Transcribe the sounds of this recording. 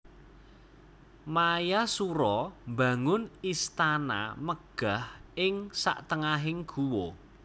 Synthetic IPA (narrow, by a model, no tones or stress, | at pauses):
majasuɾɔmba̤ŋʊnist̪ana̰məɡ̥ahɪŋsa̰ʔt̪əŋaɦɪŋɡ̥uwo